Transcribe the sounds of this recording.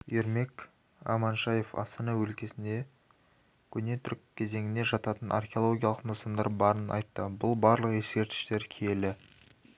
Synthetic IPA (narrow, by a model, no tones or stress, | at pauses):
jeɾme̞k | ɑ̰mɑnʃɑje̞fɑ̰st̪ɑnɑwɵlkʲe̞sɪnd̪e̞ | kʲʰʏne̞t̪ʰʏɾkʲkʲʰːe̞ze̞ŋɪne̞ʒɑt̪ɑt̪ənʔa̰rχʲeolˠo̞ɡʲijɑlˠəqnəsɑnd̪ɑɾbɑɾənɑ̰jt̪ːəbʊlˠbɑɾlˠəqje̞skʲe̞ɾt̪ɪ̥ʃt̪e̞ɾkʲʰe̞lɪ